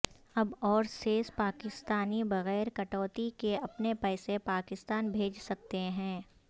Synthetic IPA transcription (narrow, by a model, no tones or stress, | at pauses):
ɐbɔːɾseːspaːkɪst̪aːnibɐɣɛːɾkɐʈɔːt̪ikeɐpnepɛːsepaːkɪst̪aːnbʱeːd͡ʒsɐk̚t̪eɦɛ̃ː